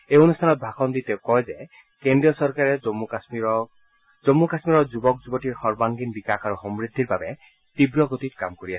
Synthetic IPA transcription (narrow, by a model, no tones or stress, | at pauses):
eonustʰanɔt̪̚bʱakʰɔnd̪it̪ekɔjze | kendɹijɔsɔɹkaɹɛmasiɔ | zomːukasmiɾɔzubɔk̚d͡ʒubɔʈiɹxɔɹbaŋɡinbikakʰaɾuxɔmɹid̪ʱːiɹbabɛ | t̪ibɹɔɡot̪it̪kamkoɹias